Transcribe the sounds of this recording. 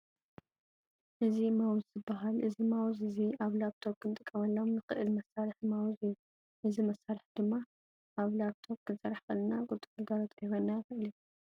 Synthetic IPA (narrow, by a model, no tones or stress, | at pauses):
ʔɨzimawzzɨbaɦalʔɨzimawzɨziaβlaβt̪ʰoβ̚kʰɨnt̪ʼɨkʼːɐmɐlːomnɨxɨʔɨlmɐsaɾɨħmawzɨju | ʔɨzimɐsːaɾɨħd̪ɨmːa | ʔaβlaβt̪ʰoβ̚kʰɨnsɐɾaħxɐlnaɡʼʊt̪ʼukɨɡaɾot̪ʼjhonːajɨxɨʔɨli